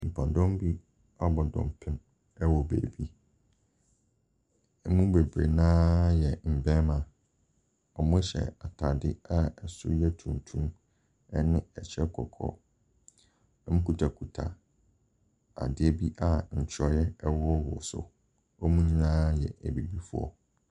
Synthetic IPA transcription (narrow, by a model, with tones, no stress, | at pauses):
m̩˨pʰa˨dɔ̃˦mbi˦ | a˦bɔ˨dɔ̰̃˨mpʰɪ̃˦m | ɛ˦wɔ˨bæ̰˨bi˦ | ɛ˦mũ˦be˨bɾḛ˨nãː˦jɛ˨m̩˨bɛ̃˦mã˨ | ɔ˨mʊ̃˦ɕɛ̰˨a˨tʰa˨dɪ˦a˦ɛ˨sʊ̰˦jɛ˦tʰũ˨n˨tʰũ˦m | ɛ˦nɪ̃˦ɛ˨t͡ɕʰɛ˦kʰɔ̰˨kʰɔ̰˦ | m̩̃˦kʰu˦tʰa˨kʰu˨tʰa̰˨ | a̰˨dɪ˦ɛ˦˨bi˦ʔa˦˨ɲ̩˨t͡ɕʰɔ˨jɛ˦ɛ˦wɔ˦wʊ̰˨sʊ̰˨ | ɔ˦mũ˦ɲ˦ãː˦jɛ̰˨ʔæ˨bi˨bi˦fʊ˦ɔ̰˦